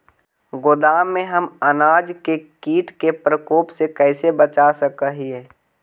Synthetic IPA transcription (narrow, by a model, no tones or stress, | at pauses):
ɡod̪aːmːẽɦəmənaːd͡ʒkekiːʈkepɾəkoːpsekɛɪsebət͡ʃasəkəɦieː